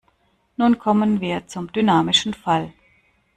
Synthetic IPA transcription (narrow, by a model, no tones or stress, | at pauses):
nuːnkʰɔmənviːɐt͡sʊmdynaːmɪʃn̩fal